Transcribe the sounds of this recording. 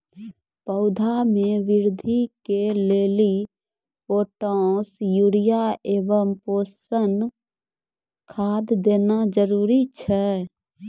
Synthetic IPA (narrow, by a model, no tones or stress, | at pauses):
pəʊd̪ʱamẽʋɪɾd̪ʱikeleːli | poːʈɔ̃ːsjuɽijaʔeːʋəmpoːsən | kʰaːd̪d̪eːnad͡ʒəɾuːɾit͡ʃʰɛ